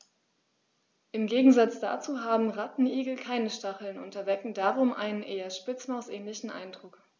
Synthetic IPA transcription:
ʔɪmɡeːɡŋ̩zat͡sd̥a̰ːt͡suːɦaːbm̩ʁatn̩ʔiːɡl̩kʰaɪnəʃtaχl̩nʔʊ̰ntɐvɛkŋ̩daːʁʊmʔa̰ɪnənʔeːɐʃpɪt͡smaʊsʔɛːnlɪçn̩ʔa̰ɪndʁʊk

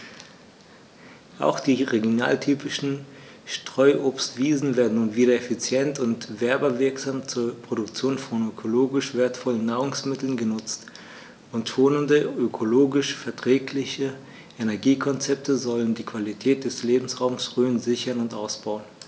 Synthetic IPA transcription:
ʔa̰ʊxd̥iːʁeɡjona̰ːltʰyːpɪʃn̩ | ʃtʁ̥ɔʏʔoːpstv̥iːzn̩veːɐdn̩nuːnviːɾɐefit͡sjɛntʊntv̥ɛɐbɐvɪɐkz̥aːmt͡suːɐpʁ̥oɾʊkt͡sjoːnfɔnøkʰoloːɡɪʃv̥eːɐtfɔlən̩ːaːʁʊŋsmɪtl̩nɡənʊt͡st | ʊntːoːnəndəʔøkʰoloːɡɪʃfɛɐtʁ̥ɛːklɪçə | ʔenɛɐɡiːkʰɔnt͡sɛp̚tʰəzɔləndiːkv̥alitʰɛːt̚d̥ɛsleːbm̩sʁaʊmsʁøːənzɪçɐnʊntʔaʊsb̥aʊən

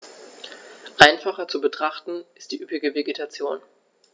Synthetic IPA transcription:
ʔaɪnfaχɐt͡subətʁ̥aχtn̩ɪst̚d̥iːʔypɪɡəveɡetʰat͡sjoːn

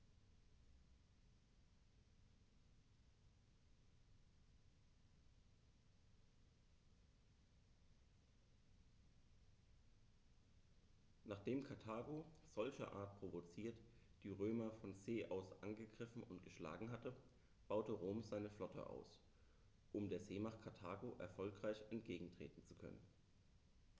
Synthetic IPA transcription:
naːχd̥eːmkʰaɐtʰaːɡoz̥ɔlçɐ̰ʔa̰ːɐt̚pʁ̥ovot͡siːɐtd̥iːʁøːmɐfɔnzeːʔaʊsʔanɡəɡʁɪfn̩ʊntɡ̥əʃla̰ːɡŋ̩ɦatə | b̥aʊtəʁoːmzaɪnəflɔtʰə̰ʔa̰ʊs | ʔʊmdeːɐzeːmaχkʰaɐtʰaːɡoʔɛ̰ɐfɔlkʁ̥aɪçɛntɡ̥eːɡŋ̩tʁ̥ḛːtn̩t͡su̥kʰœ̰nə̰n

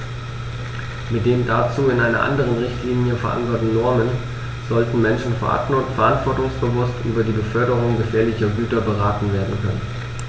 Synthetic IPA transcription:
mɪt̚d̥eːmdat͡suːɪnʔaɪnɐ̰ʔa̰ndəʁ̞ənʁɪçtʰliːnjəfɛɐʔa̰nkɐtn̩nɔɐmən | z̥ɔltn̩mɛnʃn̩fɛɐʔa̰tfɛɐʔantv̥ɔɐtʊŋsb̥əvʊstʔy̰ːbɐdiːɡəfœɐɾəʁ̞ʊŋɡəfeːɐlɪçɐɡyːtɐbəʁaːtn̩veːɐdn̩kʰœnən

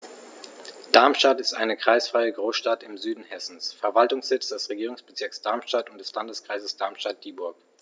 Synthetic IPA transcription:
d̥aɐmʃtatɪstʔa̰ɪnəkʁ̥aɪsfʁ̥aɪəɡʁoːsʃtatɪmzyːdn̩hɛsn̩sfɛɐvaltʊŋsz̥ɪt͡sd̥ɛsʁeɡiːʁʊŋsb̥ət͡sɪɐksd̥aɐmʃtatʊntd̥ɛslandəskʁ̥aɪzəsd̥aɐmʃtat̚d̥iːbʊɐk

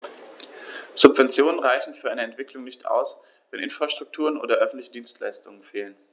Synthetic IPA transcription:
z̥ʊpv̥ɛnt͡sjoːnənʁaɪçn̩fyːɐaɪnəɛntv̥ɪkʰlʊŋnɪçtʔa̰ʊs | vɛnʔɪnfʁ̥aʃtʁ̥ʊk̚tʰuːʁ̞ənʔo̰ːdɐʔœfn̩tlɪçədiːnstla̰ɪstʊŋənfeːlən

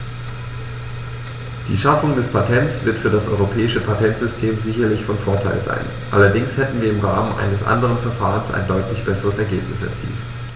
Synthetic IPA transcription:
d̥ḭːʃafʊŋdɛspʰatʰɛntt͡sv̥ɪɐtfyːɐdasʔɔ̰ʏʁopʰɛːɪʃəpʰatʰɛntz̥ʏstʰeːmzɪçɐlɪçfɔnfoːɐtʰaɪlza̰ɪn | ʔa̰lɐdɪŋshɛtn̩viːɐɪmʁaːmənʔa̰ɪnəsʔa̰ndəʁənfɛɐfaːʁənsa̰ɪndɔʏtʰlɪçb̥ɛsəʁəsɛɐɡeːpnɪsɛ̰ɐt͡sḭːlt

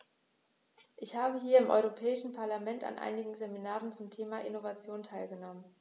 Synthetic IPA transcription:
ʔɪçhaːbəɦiːɐɪmʔɔ̰ʏʁopʰɛːɪʃn̩pʰaɐlamɛnta̰nʔa̰ɪnɪɡŋ̩zeminaːʁənt͡sʊmtʰeːmaʔɪnovat͡sjoːntʰaɪlɡənɔmən

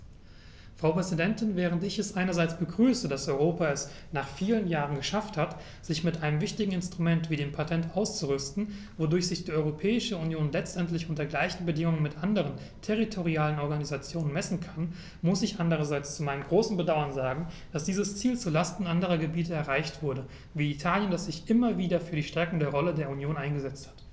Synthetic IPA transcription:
fʁ̥aʊpʁ̥ɛzidɛntɪnvɛːʁ̞əntɪçɛsʔaɪnɐzaɪt͡sb̥əɡʁyːsədasɔʏʁoːpaɛs | naːχfiːlənjaːʁənɡəʃafthat | z̥ɪçmɪtʔaɪnəmvɪçtɪɡŋ̩ɪnstʁ̥umɛntv̥iːdeːmpʰatʰɛntʔaʊst͡suʁʏstn̩ | vodʊɐçz̥ɪçd̥iːɔʏʁopʰɛːɪʃəunjoːnlɛt͡stʔɛntlɪçʔʊntɐɡlaɪçn̩bədɪŋʊŋənmɪtʔandəʁ̞ən | tʰɛʁitʰoʁiaːlənɔɐɡanizat͡sjoːnənmɛsn̩kʰan | mʊsɪçʔandəʁ̞ɐzaɪt͡st͡sumaɪnəmɡʁoːsn̩bədaʊɐnzaːɡŋ̩d̥asd̥iːzəst͡siːlt͡sulastn̩ʔandəʁ̞ɐɡəbiːtəɛɐʁaɪçtv̥ʊɐdə | viːitʰaːljəndasz̥ɪçʔɪmɐviːdɐfyːɐɾiːʃtɛɐkŋ̩deːʁɔlədeːɐunjoːnʔaɪnɡəzɛt͡sthḁt

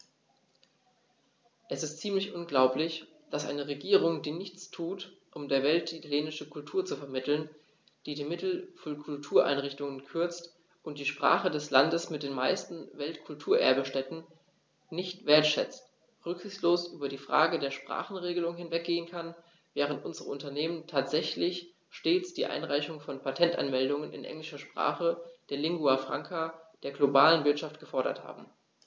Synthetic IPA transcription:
ʔɛsɪstt͡siːmlɪçʔʊnɡlaʊplɪç | d̥asʔa̰ɪnəʁeɡiːʁ̞ʊŋdiːnɪçt͡stʰuːtʔʊmdeːɐvɛltʔitʰaljeːnɪʃəkʰʊltʰuːɐt͡sufɛɐmɪtl̩n | d̥iːdiːmɪtl̩fɔnkʰʊltʰuːɐʔa̰ɪnʁɪçtʊŋənkʰʏɐt͡st | ʔʊnt̚d̥iːʃpʁ̥a̰ːχədɛslandəsmɪt̚d̥eːnma̰ɪstn̩vɛltkʰʊltʰuːɐʔɛ̰ɐbəʃtɛtn̩ | nɪçtv̥eːɐtʃɛ̰t͡st | ʁʏkz̥ɪçsloːsʔyːbɐdiːfʁ̥a̰ːɡədeːɐʃpʁ̥a̰ːχn̩ʁeːɡəlʊŋhɪnvɛk̚ɡ̥eːənkʰan | vɛːʁ̞əntʔʊnzəʁəʊntɐneːməntʰaːtz̥ɛçlɪç | ʃteːt͡sd̥iːʔa̰ɪnʁaɪçʊŋfɔnpʰatʰɛntʔa̰nmɛldʊŋənɪ̰nʔɛ̰ŋlɪʃɐʃpʁ̥a̰ːχəd̥eːɐlɪŋɡuafʁ̥a̰ŋkʰad̥eːɐɡlobaːlənvɪɐtʃaftɡ̥əfɔɐɾɐ̰tha̰ːbm̩

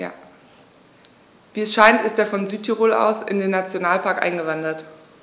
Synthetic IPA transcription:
viːɛsʃaɪntɪsteːɐfɔnzyːtʰiʁoːlʔa̰ʊsɪ̰ndeːnːat͡sjonaːlpʰaɐkʔa̰ɪnɡəvandɐt

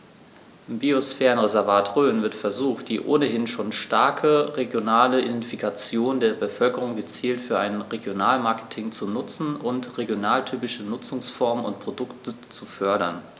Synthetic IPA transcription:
biosfɛːʁənʁezɛɐvaːtʁøːnvɪɐtfɛɐzuːxt̚d̥iːʔo̰ːnəɦɪnʃoːnʃtaɐkʰəʁeɡjonaːləidɛntfikʰat͡sjoːndeːɐbəfœlkəʁ̞ʊŋɡət͡siːltfyːɐʔaɪnʁeɡjonaːlmaɐkə̥tʰɪŋt͡sunʊt͡sn̩ʊntʁeɡjonaːltʰyːpɪʃənʊt͡sʊŋsfɔɐmənʊnt̚pʁ̥odʊktʰət͡sufœɐɾɐn

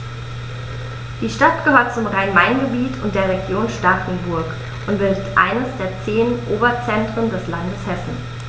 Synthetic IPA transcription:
d̥iːʃtatɡ̥əhøːɐt̚t͡sʊmʁaɪnmaɪnɡəbiːtʰʊnt̚d̥eːɐʁeɡjoːnʃtaχn̩bʊɐk | ʔʊntb̥ɪldətʔa̰ɪnəsd̥eːɐt͡seːnʔoːbɐt͡sɛntʁ̥əndɛslandəshɛsn̩

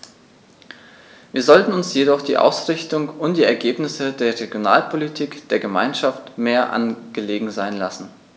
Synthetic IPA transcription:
viːɐzɔltn̩ʊnsjedɔχd̥ḭːʔa̰ʊsʁ̥ɪçtʊŋʊntd̥iːɛɐɡeːpnɪsədeːɐʁeɡjonaːlpʰolitʰiːkd̥eːɐɡəma̰ɪnʃaftmeːɐʔa̰nɡ̥əleːɡŋ̩zaɪnlasn̩

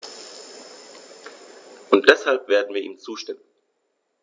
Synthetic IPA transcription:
ʔʊnt̚d̥ɛshalpv̥eːɐdn̩viːɐʔiːmnt͡suːʃtɪmən

